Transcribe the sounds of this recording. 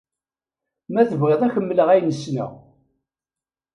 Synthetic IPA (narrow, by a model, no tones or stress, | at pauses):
mæθəvʁəðˤæçəmːələʁæjnəsnæ̰